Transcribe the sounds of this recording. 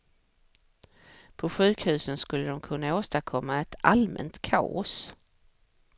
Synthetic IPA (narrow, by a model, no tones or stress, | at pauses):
pʰɔɧʉ̟ːkhʉ̟ːsənskɵlːəd̪ɔmkʰɵnːaoːst̪aɾkʰɔmːaɛt̪ʰalmɛ̰nt̪kʰa̰ːɔ̰s